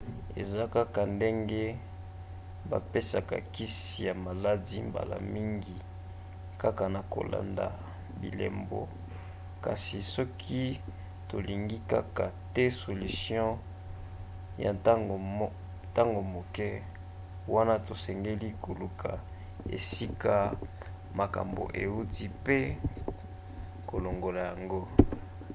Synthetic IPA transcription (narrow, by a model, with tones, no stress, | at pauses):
ḛ˨za˦ka˦ka˨nde˦ŋɡe˦ | ba̰˨pe˦sa˨ka̰˨ki˦si˨ja˨ma˨la˦di˦mba̰˨la̰˨mi˦ŋɡi˨ | ka˦ka˨na˨ko̰˨la̰˨nda̰˨ | bḭ˨lɛ̰˨mbo̰˨ | ka˨si˨sɔ˦kʰi˦ | to˨li˨ŋɡi˦ka˦ka˨tɛ˦so˨ly˨sjɔ̃˦ | ja̰˨˦˨ | ta˦ŋɡo˨mo˨kɛ˦ | wa˦na˦to˨sɛ˨ŋɡe˦li˦ko˨lu˨kʰa̰˨ | ḛ˨si˦ka˦ | ma˨ka̰˨mbo̰˨ʔe˨u˦ti˦pe˦ | ko˨lo˨ŋɡo˨la˨ja˨ŋɡo˦